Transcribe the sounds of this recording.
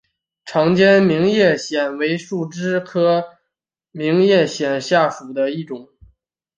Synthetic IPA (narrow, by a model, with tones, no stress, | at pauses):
ʈ͡ʂʰɑ˧˥ŋt͡ɕjɛ˥nmi˧˥ŋjɛ˥˩ɕjɛ˨˩nwe˧˥ɪʂu˥˩ʈ͡ʂɻ̩˥kʰɤ˥ | mi˧˥ŋjɛ˥˩ɕjɛ˨˩nɕja˥˩ʂu˨˩d̪ə˦i˥˩ʈ͡ʂʊ˨˩˦ŋ